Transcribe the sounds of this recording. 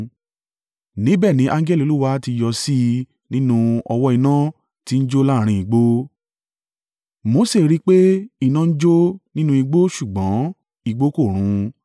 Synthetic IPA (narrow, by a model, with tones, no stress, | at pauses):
nĩ˨˦bɛ˦˨nĩ˨˦ʔã˦ŋ˦ɡɛ˦li˨lu˦wa˦ti˧jɔ˧si˦ | nĩ˦nũ˦ɔ˧wɔ˦i˧nã˦ | ti˦n̩˦d͡ʒo˦la˦˨ɾ̃ĩ˧˨i˨ɡ͡bo˦ | mo˨˦se˦˨ɾi˦k͡pe˦i˧˨nã˦˧n̩˦d͡ʒo˦nĩ˦nũ˦i˧ɡ͡bo˦ʃu˨ɡ͡bɔ̃˨˦ | i˨˧ɡ͡bo˦ko˦˨ɾ̃ũ˨˧˦